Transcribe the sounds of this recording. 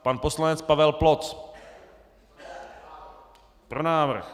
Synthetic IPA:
panposlanɛt͡spavɛlplot͡s | pɾonaːvr̩x

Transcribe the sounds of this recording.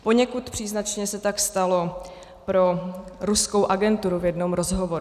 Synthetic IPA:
po̞ɲɛkut̪pr̝̥iːznat͡ʃɲɛsɛt̪akst̪alo̞ | pɾo̞ɾusko̞wʔaɡɛnt̪uɾuvjɛdno̞mɾozɦovo̞ɾu

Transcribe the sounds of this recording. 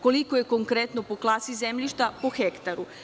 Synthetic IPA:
ko̞likojeko̞ŋkɾet̪nopo̞klˠasizemʎiʃt̪apo̞xekt̪aɾu

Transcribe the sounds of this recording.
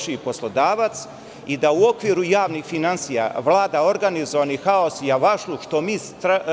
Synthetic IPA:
ʃipo̞slˠo̞d̪aːʋat̪s | id̪auo̞kʋiɾujaːʋnixfinansija̰ʋlˠaːd̪ao̞ɾɡanizoʋanixao̞sijaʋaʃluʃt̪o̞miːst̪ɾa

